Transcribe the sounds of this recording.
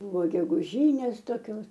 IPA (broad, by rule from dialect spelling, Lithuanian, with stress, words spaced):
ˈbuːʋoː ɡʲɛɡʊˈʒʲiːnʲeːs toːˈkʲoːs